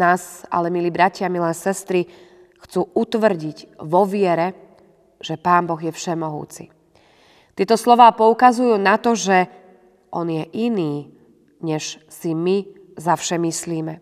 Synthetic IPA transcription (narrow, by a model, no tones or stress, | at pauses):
aːza̰lɛmiliːbɾacɪamilɛːsɛst̪ɾi | xt͡suːʔut̪ʋr̩ɟiɟʋɔʋɪɛɾɛ | ʒ̥ɛpaːmbɔɣjɛfʃɛmɔɦṵːt͡sḭ | t̪ɪɛt̪ɔslɔʋaːpɔukazujuːnat̪ɔʒɛ | ʔɔnjɛʔiniː | ɲɛʃ | simi | zafʃɛmisliːmɛ